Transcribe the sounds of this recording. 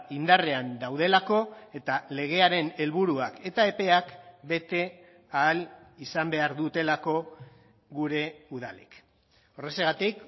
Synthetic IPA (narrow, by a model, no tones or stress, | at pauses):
ind̪are̞and̪awðe̞lako̞e̞t̪ale̞ɣe̞aɾe̞ne̞lβuɾuake̞t̪ae̞pe̞akbe̞t̪e̞ | aːlisambe̞aɾðut̪e̞lako̞ | ɣuɾe̞uðalḛk | o̞reseɣ̞at̪ik